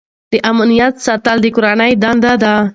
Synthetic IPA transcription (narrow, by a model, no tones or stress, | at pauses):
d̪̥əʔamnijat̪sat̪ald̪əkʊɾanajd̪and̪ad̪a